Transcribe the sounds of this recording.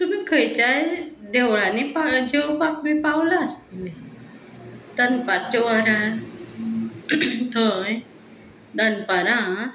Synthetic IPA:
t̪um̤ikʰəjt͡ɕajd̪ewɭãnipad͡ʑewpakmipawlaːst̪ile | d̪ənpaɾt͡ɕəʋaɾa | t̪əj | d̪anpaɾã

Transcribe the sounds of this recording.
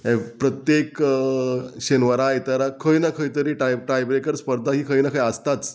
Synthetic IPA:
ɛ̃pɾət̪jek | ɕenʋəɾajt̪əɾakʰəjnakʰəjt̪əɾiːʈaʈɾajbɾekəɾspəɾd̪ʱaɦiːkʰəjnakʰajəst̪at͡s

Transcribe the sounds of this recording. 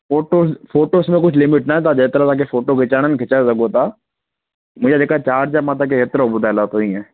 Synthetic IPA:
foːʈosfoːʈoːsmẽk̬ʊt͡ʃʰlɪmɪʈnat̪ad͡ʒeːt̪ɾat̪ak̬efoːʈokɪt͡ʃaːɽənkʰɪt͡ʃasɐɡot̪aː | mʊd͡ʒad͡ʒekat͡ʃaːɾd͡ʒamãt̪̬ak̬eɦet̪ɾabʊd̪alat̪oĩɛ̃ː

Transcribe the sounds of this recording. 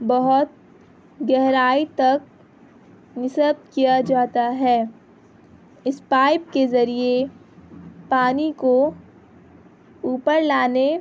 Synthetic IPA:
bɐɦʊt̪̚ | ɡɛɦɾaːit̪ɐk̚ | nɪsəb̚kijad͡ʒaːt̪aɦɛː | ɪspaːɪp̚kezɐɾie | paːniko | uːpəɾlaːne

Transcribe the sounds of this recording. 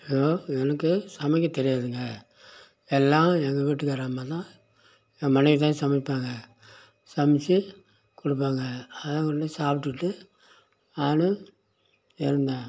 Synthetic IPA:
joːɛnɐkːɯsɐmɪk̬ʲːɐ̃t̪ːɛɾɪjaːðɯŋɡɐ | ɛlːãːɛŋɡɐʋiʈːɯkːaːɾaːmat̪ãː | mɐnɐɪʋit̪̬ãːsɐmɐpːaːŋɡɐ | sɐmɪt͡ʃːi | kɔɽɯp̬ːaːŋɡɐɐðãːkʊɽɖɐsaːpɪʈːɯʈːɯ | aːnɯ | ɛɾɯnd̪aː

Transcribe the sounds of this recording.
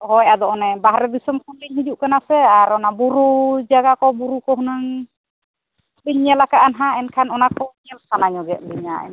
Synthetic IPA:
hɔjad̪ɔʔɔnɛbaɦɾɛd̪isɔmkʰanliɲɦid͡ʒuʔkanasɛaɾɔnabuɾud͡ʒaɡakɔbuɾukɔɦunaŋ | liɲɲɛlakaʔanɦãɛnkʰanɔnakɔɲɛlsanaɲɔɡɛʔ̚liɲa̰ɛ̰n

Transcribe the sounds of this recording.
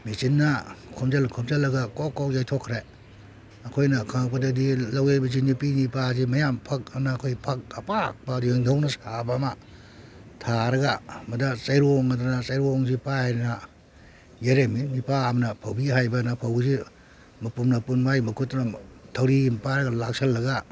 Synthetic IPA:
mit͡ʃinːakʰɔmzalkʰɔmzalːɐɡakɔkawjajtʰokʰɾe | ɐkʰojnɐkʰaŋpadadilawebɐzinipinipazimɐjampʰɐk̚ɐmnaːkʰojpʰak̚ɐpak̚baɾjeŋdawnɐsabama | tʰaɾɐɡamɐdat͡ʃajɾuɔŋadanat͡ʃajɾuɔŋzipaejɾna | jeɾemimipaːmɐnɐpʰawbiɦajbɐnapʰawzi | mɐpumnɐpunmajmɐkʰutnatʰawɾimpaɾɐɡalak̚salːɐɡa

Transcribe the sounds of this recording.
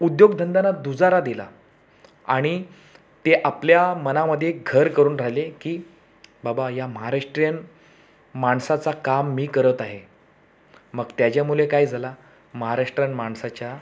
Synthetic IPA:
ud̪joɡd̪ʱənd̪anad̪ud͡zaɾad̪ila̰ | aɽ̃i | t̪eʔapljamənaməd̪ʱːjeɡʱəɾkəɾuːnɾalekiː | babajaməɦaɾaʂʈɾijən | maɳsat͡sakamːiːkəɾət̪aɦe | məɡt̪jat͡ɕjamulekaiːd͡zʱala | məɦaɾaʂʈɾjənmaɳsat͡ɕja

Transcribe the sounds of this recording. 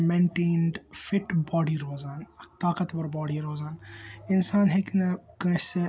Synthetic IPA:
mẽɳʈeːnɖfɪʈbɔːɖiɾoːzaːnt̪aːkɐt̪bɐɾbɔːɽiɾoːzaːnɪnsaːnɦeknɐkɐ̃se

